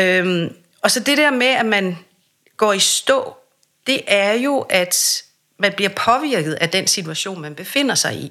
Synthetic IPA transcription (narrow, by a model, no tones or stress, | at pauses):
øm | ɒ̽sɒ̽d̥e̝ɾ̥ɛɐmeæmæn | ɡ̥ɒ̰ːisd̥ɔ̰̽ː | d̥e̝ʔæɐjo̝ʔæd̥ | mænb̥liɐpʰɒ̽ʋiɐ̰ɡ̥ð̞̩ˠæd̥ensit͡sʰuæɕo̝̰ːnmænb̥e̝fe̝n̰ɐsɑ̈ɪi